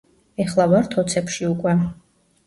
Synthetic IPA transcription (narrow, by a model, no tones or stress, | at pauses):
ɛχlˠavaɾt̪ʰɔt̪sʰɛpʃiukʼwɛ